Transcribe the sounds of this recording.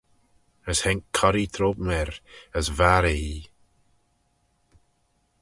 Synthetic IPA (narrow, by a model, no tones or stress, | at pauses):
əshɛŋkʰɔɾit̪ʰɾoːbmɛɾəzvaɾei